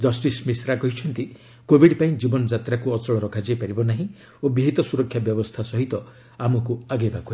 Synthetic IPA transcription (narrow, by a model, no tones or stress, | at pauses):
d͡ʒɔsʈismisɾakɔɦit͡ʃʰɔnt̪i | kobiɖpaĩd͡ʒibɔnɔd͡ʒat̪ɾakuɔt͡ʃɔɭɔɾɔkʰad͡ʒajpaɾibɔnaɦĩ | obiɦit̪ɔsuɾɔkʰːjabjɔbɔst̪ʰasɔɦit̪ɔ | amɔkuaɡebake